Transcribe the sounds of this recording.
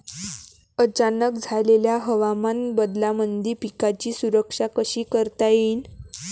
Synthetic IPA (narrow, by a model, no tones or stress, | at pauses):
ət͡ɕanək̚d͡zʱaleljaɦəʋamanbəd̪lamənd̪ʱiːpikat͡ɕiːsuɾəkʂakəɕiːkəɾt̪ajin